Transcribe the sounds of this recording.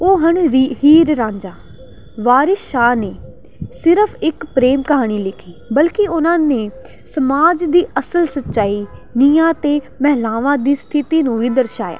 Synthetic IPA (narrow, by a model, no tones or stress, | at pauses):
oːɦəɳhiːɾɾãːɲd͡ʒaː | ʋaːɾɪʃaːneː | sɪɾəpʰɪkpɾeːmkəɦaːɽ̃iːlɪkʰiːbəlkɪʊnãːneː | səmaːd͡ʒd̪iːʔəsəlsətːʃaːiːnɪjãːt̪eː | mɛɦlaːʋãːd̪iːst̪ʰɪt̪iːnũːʋiːd̪əɾʃaːja̰ː